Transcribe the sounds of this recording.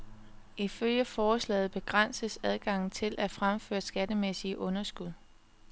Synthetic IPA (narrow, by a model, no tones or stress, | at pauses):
ʔiføljəfɒːslɛ̰ːð̩ˠb̥e̝ɡ̥ʁan̰səsæð̞ˠɡ̥ɑ̈ŋ̰n̩t͡sʰe̝lʔæfʁamfø̰ːɐsɡ̥æd̥əmesiəʔɔ̽nɐsɡ̥uð̞ˠ